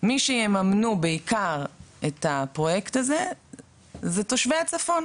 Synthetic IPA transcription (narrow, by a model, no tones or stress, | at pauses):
miʃejemamnubeikʰaʁetapʁo̞je̞ktaze̞ | zeto̞ʃveat͡safo̞n